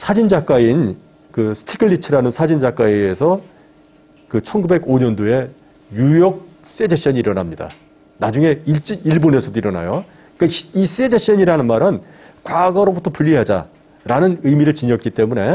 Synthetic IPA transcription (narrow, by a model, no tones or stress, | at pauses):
sʰad͡ʑind͡ʑak͈ain | kɯsʰtʰikʰɯɭːit͡ɕʰɯɾanɯnsʰad͡ʑind͡ʑak͈aiesʰʌ | kɯt͡ɕʰʌnɡube̞ɡoɲʌndoe̞ | jujʌk̚ | s͈e̞d͡ʑeɕ͈ʌɲiːɾʌnamɲida̰ | nad͡ʑuŋe̞iɭt͡ɕ͈iiɭbone̞sʰʌdoiɾʌna̰jo | k͈ais͈e̞d͡ʑeɕ͈ʌɲiɾanɯnmaɾɯn | kwaɡʌɾobutʰʌpuʎːiɦad͡ʑa̰ | ɾanɯnɯjmiɾɯɭt͡ɕiɲʌk͈it͈e̞mune̞